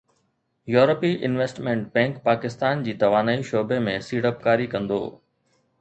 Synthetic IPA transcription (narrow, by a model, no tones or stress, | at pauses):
juːɾəpiʔɪnʋesʈmɛ̃ɳʈ̚bɛ̃ːŋkpaːkɪst̪aːnd͡ʑiːt̪ɐʋaːnaːiʃoːbemẽsiːɽəp̚kaːɾikɐ̃nd̪o̰ː